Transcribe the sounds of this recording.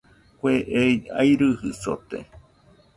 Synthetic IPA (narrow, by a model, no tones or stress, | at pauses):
kʷeʔeja̰jɾɨhɨso̰t̪ḛ